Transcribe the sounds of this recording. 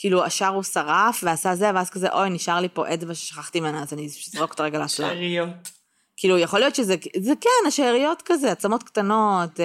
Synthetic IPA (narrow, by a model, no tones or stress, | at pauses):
kiːluaʃaʁusaʁafveasazeveazkazḛʔo̞jniʃaʁlipo̞ʔedvaʃeʃḁχaχt̪iːmenaːzanizʁo̞kt̪aʁeɡalaasla̰ʁiot | kiːlujaχo̞lijo̞t̪ʃezezekɛnaʃeʁijo̞tkazeat͡samo̞t̪kt̪ano̞t